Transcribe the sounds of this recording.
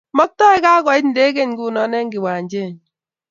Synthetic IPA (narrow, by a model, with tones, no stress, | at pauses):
mɔ˦k̚tɔ˦e˦ka˦kɔ˨i˦n̩˨de˦ke˦n˦ɡu˦˨nɔ˨˦ne˦ŋ̩˦ɡi˨wa˨˦d͡ʒe˦˨n